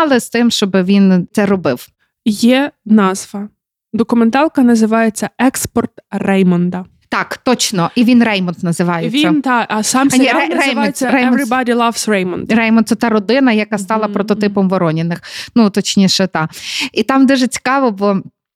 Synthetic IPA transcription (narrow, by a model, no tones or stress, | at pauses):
lˠɪst̪ɪmʃt͡ʃɔbɪʋʲint̪sɛɾɔbɪw | jɛnɑzʋɐ | d̪ɔkʊment̪ɑlˠkɐnɐzɪʋɑjet͡sʲːɐɛkspɔrt̪rɛjmɔnd̪ɐ | t̪ɑkt̪ɔt͡ʃnɔʔiʋʲinrɛjmɔnd̪nɐzɪʋɑjeʋʲisʲːɐnt̪ɑʔɐsɑmnʲiɛrɛjmɔnt͡sʲːɐɾɛjmɛɔnɾɪbɑɾʲilˠɐʋsɹɛjmɔnd̪rɛjmɔnt̪sɛt̪ɑɾɔd̪ɪnɐjɐkɑst̪ɑlˠɐpɾɔt̪ɔt̪ɪpɔmʋɔɾɔnʲɪnɪxnut̪ɔt͡ʃnʲiʃɛt̪ɑit̪ɑmd̪ɛʒɛt͡sʲi̥kɑʋɔbɔ